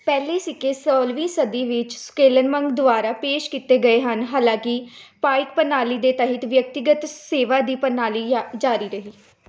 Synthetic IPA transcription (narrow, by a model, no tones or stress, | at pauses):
pɛːliːsɪkeːsɔːlʋiːsəd̪iːʋɪt͡ʃskeːlənməŋɡd̪ʊʋaːɾaːpeːʃkit̪eːɡəeːɦənɦaːlãːkɪpaːɪk̚pənaːliːd̪eːt̪əɦɪt̪ʋjək̚t̪ɪɡət̪seːʋaːd̪iːpənaːliːd͡ʒaːɾiːɾəɦiː